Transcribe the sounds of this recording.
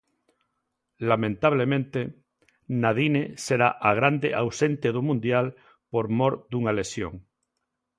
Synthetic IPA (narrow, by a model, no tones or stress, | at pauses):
lamẽnt̪aβ̞lemẽnt̪e | naðineseɾaʔaɣ̞ɾand̪eʔawsent̪eðumũnd̪jal | poɾmoɾd̪uŋalesjo̰ŋ